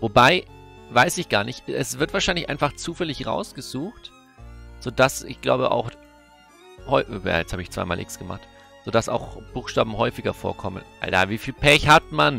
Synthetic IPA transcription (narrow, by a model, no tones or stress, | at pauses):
vobaɪvaɪsɪçɡ̥aːɐnɪçtɛsv̥ɪɐtv̥aɐʃaɪnlɪçʔa̰ɪnfaχt͡suːfɛlɪçʁa̰ʊsɡ̥əzuːxt | z̥oːd̥asɪ̰çɡ̥la̰ʊbə̰ʔa̰ʊx | hɔʏja̰ːjɛt͡shaːbəɪçt͡sv̥aɪma̰ːlʔɪksɡ̥əma̰χt | z̥oːdasa̰ʊxb̥uːxʃtaːb̚m̩hɔʏfɪɡɐfo̰ːɐkʰɔmə̰nʔa̰lda̰viːfiːlpʰɛçhatman